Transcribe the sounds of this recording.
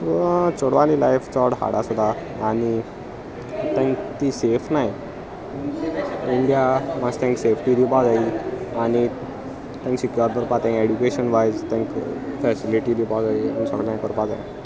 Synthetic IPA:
ʋət͡soɽʋalilajft͡sɔɽɦa̰ɽasud̪ʱaː | ɽ̃i | t̪ãŋkt̪iːsefnaj | iɳɖijamast̪ʰɛ̃ŋksefʰʈid̪ipad͡zaiaɽ̃i | t̪ãŋksikjɔɾb̪əɾpat̪ɛ̃keɖukeɕənʋajd͡zt̪ɛ̃ŋkfɛsiliʈid̪ʱipɔd͡zaia̰nisɔɽlãkəɾpad͡za̰j̃

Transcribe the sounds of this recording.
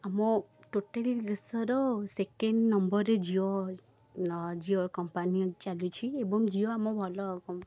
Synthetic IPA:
amɔʈoʈelid̪esɔɾɔsekeɳɖnɔmbɔɾed͡ʒiɔ | d͡ʒiɔɾkɔmpanit͡ʃalut͡ʃʰiebɔŋd͡ʒiɔamɔbʱɔlɔkɔ

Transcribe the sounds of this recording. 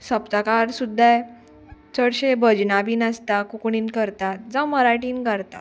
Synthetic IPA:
səpt̪akaɾsud̪ʱːa | t͡səɽɕebʱəd͡ʑnabʱiːnast̪akukɳiːnkəɾt̪at̪d͡zãwməɾaʈiːnɡaɾt̪a̰

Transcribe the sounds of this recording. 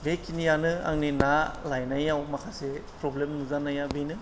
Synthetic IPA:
bekʰinijanɯa̰ŋninalajnajawmakʰasepɾɔblemnuzanajabenɯ

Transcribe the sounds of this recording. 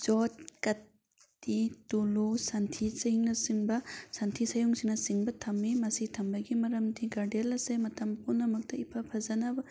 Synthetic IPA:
d͡ʒɔt̚kɐtː | itulusantʰisiŋnɐsiŋbɐsantʰisɐjuŋsiŋnɐsiŋbɐtʰɐmːimɐsitʰɐmbɐɡimɐɾɐmdiɡaɾdelɐsemɐtɐmpunːɐmɐk̚tɐipʰapʰɐzɐnabɐ

